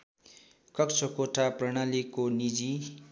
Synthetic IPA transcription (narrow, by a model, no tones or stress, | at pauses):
kʌkt͡sʰʌkoʈʰaprʌɽ̃alikonid͡zi